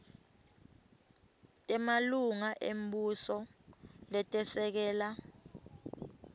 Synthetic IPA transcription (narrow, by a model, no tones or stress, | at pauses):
tʼɛmaluŋaʔem̩busɔlɛtʼɛsɛk̬ɛːla